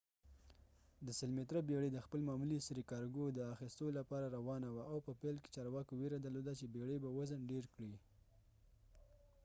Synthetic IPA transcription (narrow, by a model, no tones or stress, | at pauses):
d̪əsɪlmet̪ɾəbeɽed̪əxpəlmɑmulisɾikɑɾɡod̪əaxist̪olapɑɾaɾawɑnawaʔawpəpelke̥t͡ʃɑɾwɑkoweɾad̪əɾlod̪at͡ʃebeɽebawazənɖeɾkɽi